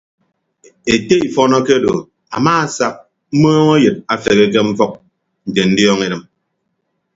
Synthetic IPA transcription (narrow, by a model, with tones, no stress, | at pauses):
e˨te˦i˨fɔ˦nɔ˦ke˦do̰˨ | a̰˨maː˦a˨sa˦k̚ | m̩˦mɔː˦ŋɔ˦jɨ˨t̚a˨fe˨ɣe˦ke˦m̩˦fɔ˦k̚ | n̩˨te˨n̩˦djɔ˦ŋe˦ɾɨ˨m